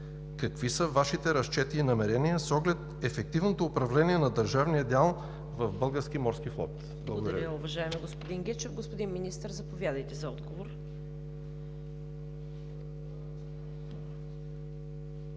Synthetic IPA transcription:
kɐkvisəvaʃit̪ɛɾɐst͡ʃɛt̪iːnɐmɛɾɛniəsɔɡlɛt̪ɛfɛk̚t̪ivnot̪oːpɾɐvlɛniɛnɐd̪ɐɾʒavnijəd̪ʲalˠ | vɐvbɤlˠɡəɾskimɔɾskiflˠɔ̰t̪ | bllˠɡoɡod̪ɐɾɾəʊvɐʒaɛmɛɡospod̪iŋɡʲɛt͡ʃɛvɡospod̪inminist̪əɾzɐpovʲjad̪əjt̪ɛzɐɔd̪ɡovoɾ

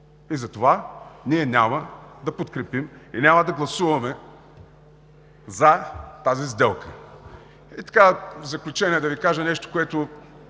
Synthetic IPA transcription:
izɐt̪ovaniɛnʲaməd̪ɐpot̪kɾɛpiminʲamɐd̪ɐɡlˠɐsuvɐmɛ | zɐt̪azizd̪ɛlˠkə | it̪ɐ̥kazɐklʲut͡ʃɛnʲiɛd̪ɐvikaʒɐnɛʃt̪o̥koɛt̪ʊ

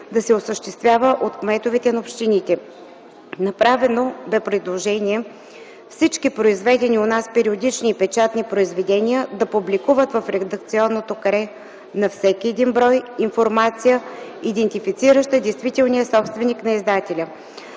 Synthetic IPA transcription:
d̪ɐsɛosəʃt̪ɛst̪vʲjavəʔot̪kmɛt̪ovɛt̪ɛnɐopʃt̪init̪ɛ | nɐpɾavɛnobɛpɾɛd̪lˠoʒɛniɛ | fsit͡ʃkipɾoizvɛd̪ɛnionaspɛɾiod̪it͡ʃniːpɛt͡ʃat̪nipɾoizvɛd̪ɛnijəd̪ɐpublikuvət̪vɐfɾɛd̪ək̚t̪siɔnːot̪okɐɾɛ | nɐfsɛkʲiɛd̪inbɾɔjinfoɾmat̪sijəid̪ɛnt̪ifit̪siɾəʃt̪əd̪ɛjst̪vit̪ɛlˠnijəsɔpst̪vɛniknɐizd̪at̪ɛlʲə

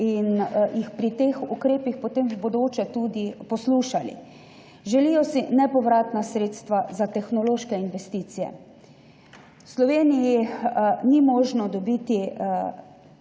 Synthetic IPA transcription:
injixpɾit̪exukɾeːpixpɔt̪eːmbod̪oːt͡ʃɛt̪uːd̪ipɔsluːʃalḭ | ʒɛlijɔsinɛpɔʋɾaːt̪nasɾeːt̪st̪ʋazat̪ɛxnɔloːʃkɛinʋɛst̪iːt̪sijɛ̰ | slɔʋeːniji | nimɔːʒnɔd̪ɔbit̪i

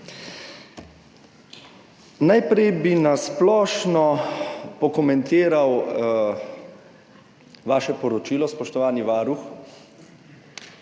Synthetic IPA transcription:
najpɾɛjbinasplɔːʃnɔpɔkɔmɛnt̪eːɾaw | ʋaːʃɛpɔɾɔt͡ʃiːlɔspɔʃt̪ɔʋaːniʋaːɾux

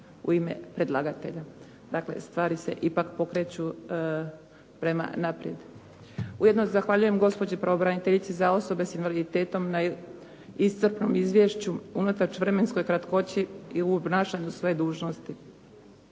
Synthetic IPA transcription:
ṵime̞̰pɾe̞d̪lˠaɡat̪e̞ʎa | d̪akle̞̰st̪ʋaːɾise̞̰ʔipakpo̞kɾe̞t͡ɕu | pɾe̞ma̰napɾʲje̞d̪ | ujed̪nozaxʋaʎuje̞mɡo̞spo̞d͡ʑipɾaʋo̞bɾanit̪eʎit̪sizao̞so̞be̞sinʋalid̪it̪e̞ːt̪o̞mna | ist̪sɨrpno̞mizʋje̞ʃt͡ɕuunat̪at͡ʃʋɾe̞me̞nsko̞jkɾat̪ko̞t͡ɕiiuobnaːʃaɲusʋo̞je̞d̪uːʒno̞st̪i

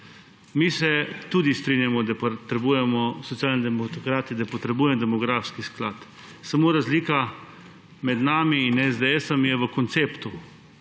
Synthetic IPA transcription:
misɛt̪uːd̪ist̪ɾinjamɔd̪apt̪ɾɛbuːjɛmɔsɔt̪sijaːlnid̪ɛmokɾaːt̪id̪apɔt̪ɾɛbuːjɛmd̪ɛmɔɡɾafskisklaːt̪ | samoːɾazliːka | mɛd̪naːmiːnɛzd̪ɛɛsɐmjɛʋəkɔnt̪seːpt̪u

